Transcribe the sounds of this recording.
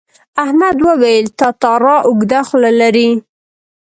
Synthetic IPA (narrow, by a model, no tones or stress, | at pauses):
ahmad̪wəwajəlt̪ɑt̪ɑɾɑʔʊɡd̪axlalaɾi